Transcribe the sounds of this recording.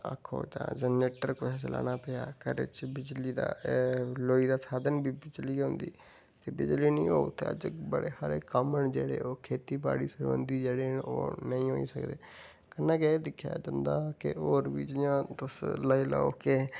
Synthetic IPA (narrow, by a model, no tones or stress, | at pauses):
ə̰kʰːo̰ːt͡ʃã̰ːd͡ʒəneːʈəɾkʊt̪ʰeːt͡ʃəla̰ːnaːpeːja̰ːkəɾḛt͡ʃbɪd͡ʒliːd̪a̰ːloːiːd̪aːsaːd̪ənbiːbɪd͡ʒliːʊ̃ːnd̪ḭː | t̪eːbɪd͡ʒliːnĩːoːut̪ḛə̰d͡ʒbəɽeːhaɾeːkəməɳd͡ʒeːɽeːoːkʰeːt̪iːba̰ːɽiːsəɾʋə̰nd̪iːd͡ʒeːɽeːo̰ːnəĩːɦoːḭːsəkd̪eː | kənːãːkɛd̪ɪkʰːja̰ːd͡ʒə̃nd̪aːkɪ̰oːɾʋiːd͡ʒɪjãːt̪ʊsləila̰ːoːke